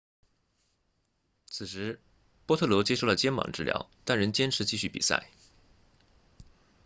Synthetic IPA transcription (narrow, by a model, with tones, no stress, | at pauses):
t͡sʰɹ̩˨˩ʂɻ̩˧˥ | pwɔ˥t̪ʰɤ˥˩lwɔ˧˥t͡ɕjɛ˥ʂo˥˩ʊlə˩t͡ɕjɛ˥nwɑ̰˨˩ŋʈ͡ʂɻ̩˥˩ljɑ̰˧˥ʊt̪a˥˩nɻə˧˥nt͡ɕjɛ˥nʈ͡ʂʰɻ̩˧˥t͡ɕi˥˧ɕy˥˩pḭ˨˩sa̰˥˩ɪ